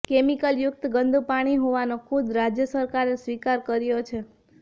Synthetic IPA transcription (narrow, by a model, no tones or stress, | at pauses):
kemikəljʊk̚t̪ɡənd̪ʱupaɽ̃iɦoʋanokʰud̪ɾad͡ʒjəsəɾkaɾesʋikaɾkəɾjot͡ʃʰe